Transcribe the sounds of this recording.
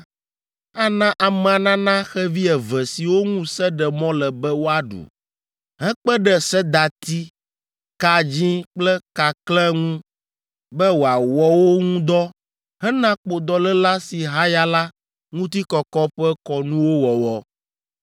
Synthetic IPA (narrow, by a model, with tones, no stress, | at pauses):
a˦nã˦ʔa˨mɛ̃˨a˨nã˦nã˦xɛ˦vi˦ɛ˨vɛ˨si˨wo˦ŋũ˦sɛ˦ɖɛ˨mɔ̃˦lɛ˨bɛ˦wo˦a˨ɖṵ˨ | ɦɛ̃˦k͡pɛ˦ɖɛ˨sɛ˦d̪a˨t̪i˦ | ka˨d͡ʑĩ˦k͡plɛ˦ka˨klɛ˦ŋũ˦ | bɛ˦wo˨a˨wɔ˦wo˦ŋũ˦d̪ɔ˦ | ɦɛ̃˦nã˦k͡po˨d̪ɔ˨lɛ˦la˦si˨ɦa˦ja˦la˦ | ŋũ˦t̪i˦kɔ˨kɔ˦ɸɛ˦kɔ˨nũ˦wo˦wɔ˨wɔ˦